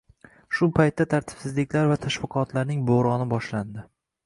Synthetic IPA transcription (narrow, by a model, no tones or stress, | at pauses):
ʃʊpʰajt̪ːat̪ʰaɾt̪ʰɪ̥b̥sɪzlɪkʲlaɾvat̪ʰaʃvɨqʰɒt̪ʰlaɾnɪŋboɾɒnɪbɒʃland̪ɪ